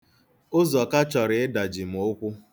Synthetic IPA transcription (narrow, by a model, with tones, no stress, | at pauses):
ʊ˦zɔ˨ka˦t͡ʃɔ˨ɾɪ˨ɪ˦da˨d͡ʒi˨m̩˨o˦kʷʊ˦